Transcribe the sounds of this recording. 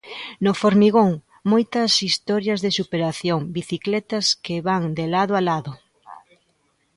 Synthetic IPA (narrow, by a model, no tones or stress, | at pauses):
nofoɾmiɣoŋ | mojt̪ɐsist̪ɔɾjɐzðesupeɾaθjoŋbiθiklɛt̪ɐskeβaŋd̪elaðoalaðʊ